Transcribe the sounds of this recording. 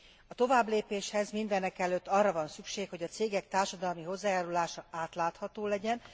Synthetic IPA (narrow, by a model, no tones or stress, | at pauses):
ɒt̪o̞vaːbleːpeːʃhɛzmind̪ɛnɛkɛløːt̪ːɒrːɒvɒnsykʃeːkho̞ɟɒt̪seːɡɛk̚t̪aːrʃɒd̪ɒlmiɦo̞zːaːjaːɾulaːʃɒaːt̪laːt̪hɒt̪oːlɛɟɛn